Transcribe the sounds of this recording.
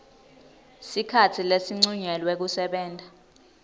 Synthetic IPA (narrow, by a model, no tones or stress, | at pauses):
sikʰatʰilesiŋ͡ǀuɲɛlwɛk̬usɛɓɛːndʼʱa